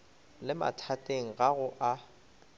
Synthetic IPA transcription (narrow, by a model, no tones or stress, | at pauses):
lɪma̰tʰatʼeŋ̩ɣaɣʊʔa